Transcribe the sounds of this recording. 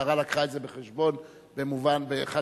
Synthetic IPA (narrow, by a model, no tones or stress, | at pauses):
aʁalakʁaezebeχeʃbo̞n | be̞muvanbeχa